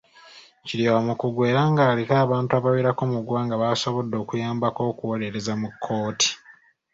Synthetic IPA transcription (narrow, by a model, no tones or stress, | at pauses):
ciliamukuɡwe̞ːɾaŋɡaːlikaːβaːntuaβaweɾako̞muɡwaːŋɡaβaːso̞βo̞dːo̞ːkujaːmbako̞ːkuwole̞ɾezamukʰːo̞ːti̥